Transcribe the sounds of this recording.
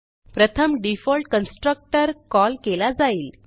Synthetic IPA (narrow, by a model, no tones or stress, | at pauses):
pɾət̪ʰəmɖifɔlʈkənsʈɾək̚ʈəɾkɔlkelad͡zaiːl